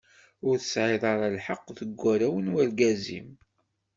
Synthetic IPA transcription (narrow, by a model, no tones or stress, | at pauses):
ʊɾθə̥sʕeðˤɑɾˤɑlħəqːðəɡʷːæɾæwənwælɡæzḭm